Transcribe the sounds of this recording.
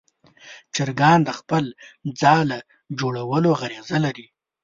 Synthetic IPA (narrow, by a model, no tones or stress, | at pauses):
t͡ʃəɾɡɑnd̪əxpəld͡zɑlə | d͡ʒoɽawəloɣaɾezalaɾi